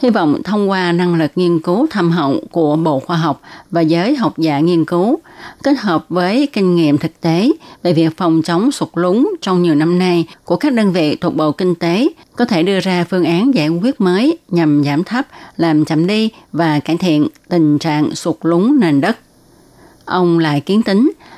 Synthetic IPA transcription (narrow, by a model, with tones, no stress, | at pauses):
hi˧vɔ̰˧˨wŋ͡mt̪ʰə˧wŋ͡mkwaː˧na˧ŋlɨ˨˩k̚ŋi˧ənkɨ˨˦wt̪ʰa˧mɦə̰˧˨wŋ͡mku˧˩əɓo̰˧˨xwaː˧ɦa˨˩wk͡p̚vaː˨˩zəː˨˦jɦa˨˩wk͡p̚za̰ː˧˩ŋi˧ənkɨ˨˦wke˦˥t̚ɦəː˨˩p̚vəː˨˦jkï˧ŋ̟ŋḭ˧˨əmt̪ʰɨ˨˩k̚t̪e˨˦ve˨˩vi˨˩ək̚fɔ˨˩wŋ͡mt͡ɕə˨˦wŋ͡msʊ˨˩t̚lʊ˨˦ŋ͡mt͡ɕɔ˧wŋ͡mɲi˨˩əwna˧mna˧jku˧˩əkaː˦˥k̚ɗəː˧nvḭ˧˨t̪wt̚ɓo̰˧˨kï˧ŋ̟t̪e˨˦ | kɔ˨˦t̪ʰe˧˩ɗɨ˧əzaː˧fɨ˧əŋʔaː˨˦nzaː˧˩jkwi˦˥ət̚məː˨˦jɲa˨˩mzaː˧˩mt̪ʰa˦˥p̚laː˨˩mt͡ɕə˧˩mɗi˧vaː˨˩kaː˧˩jt̪ʰḭ˧˨ənt̪ï˨˩ŋ̟t͡ɕa̰ː˧˨ŋsʊ˨˩t̚lʊ˨˦ŋ͡mnaː˨˩nɗə˦˥t̚ | ʔə˧wŋ͡mla̰ː˧˨jki˨˦ənt̪ï˨˦ŋ̟